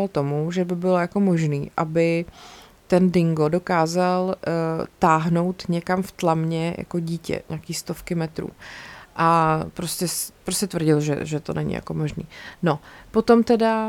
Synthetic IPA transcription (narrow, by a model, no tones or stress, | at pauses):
alt̪o̞muʒɛbɪbɪlojako̞mo̞ʒniːʔabɪ | t̪ɛndɪŋɡo̞do̞kaːzalt̪aːɦno̞wt̪ɲɛkamft̪lamɲɛjʔa̰koɟiːcɛ̰ɲʔakiːst̪ofkɪmɛt̪ɾṵːʔapɾoscɛspɾoscɛt̪vr̩ɟɪlʒɛ̰ʒɛt̪o̰nʔɛ̰ɲɪ̰ja̰ko̞mo̞ʒnḭːno̞po̞t̪o̞mt̪ɛda